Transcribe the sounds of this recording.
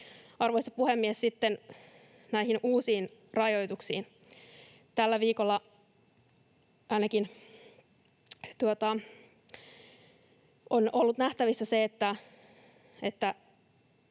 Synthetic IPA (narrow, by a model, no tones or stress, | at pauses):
ɑrʋoisɑpuhemːiessit̪ːen | næihinuːsiːnrɑjo̞jt̪uksḭːn | t̪ælːæʋiːkolːɑ | ɑinɑkin | t̪uot̪ɑ | onolːut̪næht̪æʋisːæseet̪ːæ | et̪ːæ